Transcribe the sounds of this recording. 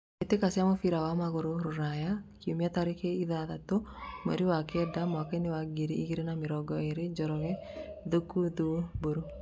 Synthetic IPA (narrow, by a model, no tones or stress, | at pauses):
et̪ekasɪamɔfiɾawamakoɾoɾʊɾajakiomiat̪aɾɪkeiðaðat̪omḛɾiwakɛdamɔakɛnɪwaɡiɾiikiɾenamɪɾɔɡɔeɾɪd͡ʒɔɾɔŋɛ | ðokːud̪uboɾo